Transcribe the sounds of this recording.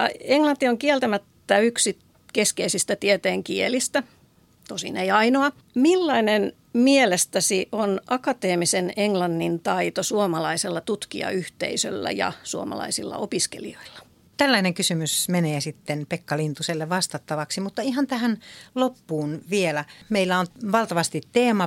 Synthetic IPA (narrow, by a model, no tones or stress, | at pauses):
ɑ̰eŋlɑnt̪ːˑioŋkielt̪æmæt̪ːæyksi | keskeisist̪æt̪iet̪eːŋkielist̪æ | t̪osḭneiɑinoɑ | milːɑinen | mielest̪æsiʔonʔɑkɑt̪eːmiseneŋlɑnːint̪ɑit̪osuomɑlɑiselːɑt̪ut̪kḭɑ̰yht̪ḛisø̰lːæ̰jɑ̰suomɑ̰lɑ̰isilːɑ̰ʔopiskḛlḭoilːɑ̥ | t̪ælːæineŋkysymysmeneːsit̪ːenpekːɑlint̪uselːeʋʋɑst̪ɑt̪ːɑʋɑksimut̪ːɑihɑnt̪æhænlopːuːnʋielæmeilːæonʋɑlt̪ɑʋɑst̪it̪teːmɑ